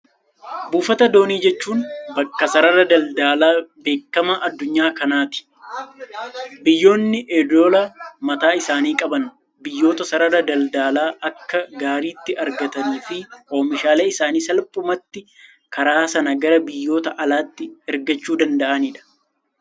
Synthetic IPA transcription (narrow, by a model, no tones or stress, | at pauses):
buːfɐt̪ɐd̪o̞ːniːd͡ʒɛt͡ʃːuːnbɐkːɐsɐɾɐɾɐd̪ɐld̪aːlaːbe̞ːkːɐmɐʔɐd̪ːʊɲːaːkɐnaːt̪ɪ̥ | bɪjːo̞ːnːɪʔɛd̪oːlɐmɐt̪aːɪsaːniːkʼɐbɐn | bɪjːo̞ːt̪ɐsɐɾɐɾɐd̪ɐld̪aːlaːʔɐkːɐɡaːɾiːt̪ːɪʔɐɾɡɐt̪ɐniːfɪo̞ːmɪʃaːleːɪsaːniːsɐlpʼʊmɐt̪ːɪ | kɐɾaːsɐnɐɡɐɾɐbɪjːo̞ːt̪ɐʔɐlaːt̪ːɪɛɾɡɐt͡ʃːuːd̪ɐnd̪ɐʔɐnɪᶑ̪ɐ̥